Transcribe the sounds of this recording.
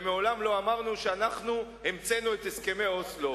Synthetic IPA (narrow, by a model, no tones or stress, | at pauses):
meo̞lamlo̞amaʁnuʃeanaχnuhemt͡se̞nuet̪eske̞meoslo